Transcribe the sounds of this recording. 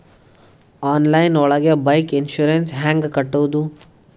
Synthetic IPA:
aːnlɐjnɔɭɐɡebɐjkinʃuɾensɦaːŋɡkɐʈːowd̪u

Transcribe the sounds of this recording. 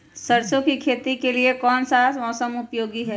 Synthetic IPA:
səɾt͡ʃõkikʰeːt̪ikeliekɔːnsamɔːsəmʊpjoːɡiɦɛː

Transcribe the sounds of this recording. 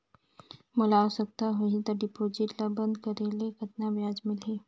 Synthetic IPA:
molawsək̚t̪aɦoit̪əɾɖipod͡ʑiʈlabənd̪kəɾelekət̪naʋjad͡zmile

